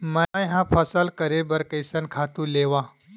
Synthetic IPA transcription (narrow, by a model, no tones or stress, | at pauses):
məajɦãpʰəsəlkəɾebəɾkəjsənkʰat̪ũleʋã